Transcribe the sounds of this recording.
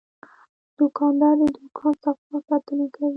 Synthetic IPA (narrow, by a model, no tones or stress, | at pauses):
d̪̥ʊkɑnd̪ɑɾd̪əd̪ʊkʰɑnsafwasɑt̪ənakawi